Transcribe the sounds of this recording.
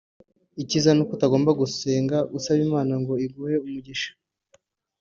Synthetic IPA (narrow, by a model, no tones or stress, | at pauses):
icizanukutaɡo̞ːmbaɡuse̞ːŋɡaʔusaβimaːnaŋɡo̞iɡuːhe̞umuɟiʃḁ